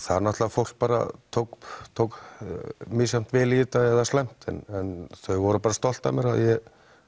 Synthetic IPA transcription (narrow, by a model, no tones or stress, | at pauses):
θaɾnaht̪lavfowl̥k̚paːɾa̰t̪ʰowkt̪ʰowk | misam̥t̪vɪlit̪aɛðaslɛm̥t̪ɛ̰nɛnθœɥvɔɾʏpaːɾast̪ɔl̥t̪a̰mjɛɾa̰ðjɛ